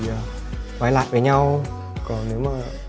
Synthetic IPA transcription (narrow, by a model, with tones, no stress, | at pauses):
aː˨˩ | kaː˨˦jla̰ː˧˨jvəː˨˩ɲa˧w | kɔ˨˩nne˨˦wmaː˨˩